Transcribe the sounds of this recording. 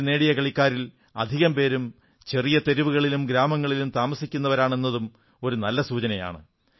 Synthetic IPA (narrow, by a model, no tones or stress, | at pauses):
ne̞ːɽijɐkɐɭikʲːaːɾil | ɐd̪ʱiɣɐmpe̞ːɾum | t͡ɕe̞rijɐt̪eɾiʋuɣɐɭilumɡɾaːmɐŋːɐɭilumt̪aːmɐsikʲːunːɐʋɐɾaːɳe̞nːɐðum | o̞ɾunɐlːɐsuːt͡ɕɐnɐja̰ːɳɨ